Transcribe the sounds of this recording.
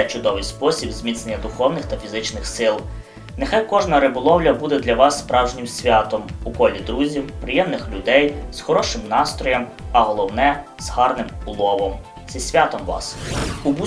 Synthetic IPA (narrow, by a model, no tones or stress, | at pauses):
ɛt͡ʃʊd̪ɔʋɪjspɔsʲibzmʲit̪snenʲːɐd̪ʊxɔwnɪxt̪ɐfʲizɪt͡ʃnɪxsɪlˠ | nexɑjkɔʒnɐɾɪbɔlˠɔwlʲɐbud̪ɛd̪lʲɐʋɑsːpɾɑwʒnʲɪmsʲʋʲɑt̪ɔmukɔlʲid̪ɾuzʲiwpɾɪjɛmnɪxlʲʊd̪ɛjz̥xɔɾɔʃɪmnɑst̪ɾɔjɐm | ɐɦɔlˠɔwnɛ | z̥hɑrnɪmʊlˠɔʋɔm | sʲisʲʋʲat̪ɔmʋɑ̰subu